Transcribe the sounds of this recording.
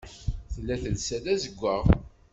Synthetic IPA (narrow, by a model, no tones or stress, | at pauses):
θlːæθəlsæðæzəɡʷːəʁ